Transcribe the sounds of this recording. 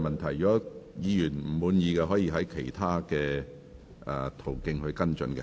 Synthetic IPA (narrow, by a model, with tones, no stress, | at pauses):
mɐ˨nt̪ʰɐ˨˩jt͡ʃɔː˨˥jiː˨˧jyː˨˩nm̩˨˩muː˨˥njiː˨˧kɛ˧ɦɔː˨˥jiː˧ɦɐ˨˥jkʰe˨˩jt̪ʰaː˥kɛː˧ | ʔɛ˨t̪ʰo˨˩wkɪ˧ŋhɵ˧ɥkɐ˥nt͡ʃɵ̰˧nkɛ̰˧